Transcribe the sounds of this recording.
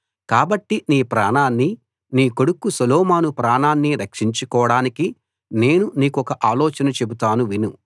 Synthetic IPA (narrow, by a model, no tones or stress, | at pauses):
kaːbɐʈːiniːpɾaːɳaːnːi | niːkoɽukːusɐlɔːmaːnupɾaːɳaːnːiɾɐkʂiɲt͡ʃukɔːɽaːniki | ne̞ːnuniːkuɔkɐʔaːlɔːt͡ʃɐnɐt͡ʃe̞but̪aːnuʋinu